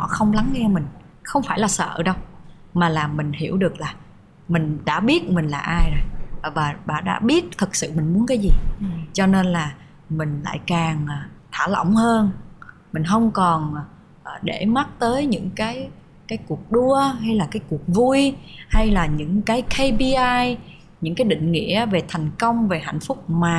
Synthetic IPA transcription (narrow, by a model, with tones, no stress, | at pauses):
nɔ̰˧˩xə˧wŋ͡mla˨˦ŋːɛ˧mï˨˩ŋ̟ | xə˧wŋ͡mfaː˧˩jlaː˨˩sə̰ː˧˨ɗə˧w | maː˨˩laː˨˩mï˨˩ŋ̟hḭ˧˩əwɗɨ˨˩ək̚laː˨˩ | mï˨˩ŋ̟ɗa̰ː˧˥ɓi˦˥ət̚mï˨˩ŋ̟laː˨˩ʔaː˧jzə˨˩jːvaː˨˩ɓa̰ː˧˩ɗa̰ː˧˥ɓi˦˥ət̚t̪ʰɨ˨˩k̚sɨ̰˧˨mï˨˩ŋ̟mu˨˦ənkaː˨˦jzi˨˩t͡ɕɔ˧ne˧nlaː˨˩ | mï˨˩ŋ̟la̰ː˧˨jkaː˨˩ŋʔːt̪ʰaː˧˩lə̰˧˨wŋ͡mhəː˧n | mï˨˩ŋ̟ɦə˧wŋ͡mkɔ˨˩n˩ | ʔəː˨˩ɗe˧˩ma˦˥t̚t̪əː˨˦jɲɨ̰˧˥ŋkaː˨˦j | kaː˨˦jku˨˩ək̚ɗu˧əɦa˧jlaː˨˩kaː˨˦jku˨˩ək̚vu˧jha˧jlaː˨˩ɲɨ̰˧˥ŋkaː˨˦jkʰe˧jɓi˧ʔaː˧j | ɲɨ̰˧˥ŋkaː˨˦jɗḭ̈˧˨ŋ̟ŋḭ˧˥əve˨˩t̪ʰɛ˨˩jŋ̟kə˧wŋ͡mve˨˩ɦa̰˧˨jŋ̟fʊ˦˥k͡p̚maː˨˩